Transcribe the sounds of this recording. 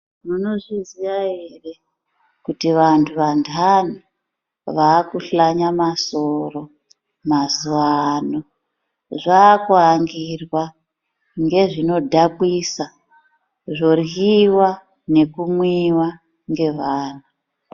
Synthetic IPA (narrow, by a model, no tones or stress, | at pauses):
muno̞ʐiziʋaɦere̞ | kutiʋantʰuʋantʰana | ʋaːkuɬaɲamasoro̞ | mazuʋanu | ʐaːkuaŋɡirwa | ŋɡe̞ʐino̞dʱapwisa | ʐo̞riwa | ne̞kumwiwa | ŋɡe̞ʋaːnu